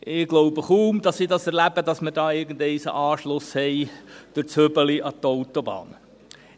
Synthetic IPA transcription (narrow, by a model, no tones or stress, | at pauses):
ʔɪɡ̥lowbəχuːmd̪ɑsidɑsɛɾlæbəd̥̪ɑsmədɑːɪɡən̩d̪ɛɪsə̰ʔɑːʃlʊshɛɪd̪̥əɾt͡søbəliʔɑt̪oʊt̪obɑ̰ːn